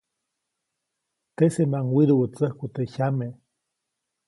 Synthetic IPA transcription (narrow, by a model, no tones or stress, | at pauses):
t̪esemaŋwiɾuwət͡səhkut̪eçame